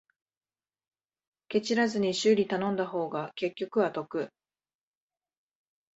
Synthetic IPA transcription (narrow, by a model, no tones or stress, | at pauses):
ke̞t͡ɕiɾazɨɲ̟iɕɨːɾʲit̪anõ̞nd̪aɦo̞ːɡake̞kʲːo̞kɯ̟βat̪o̞kɯ̟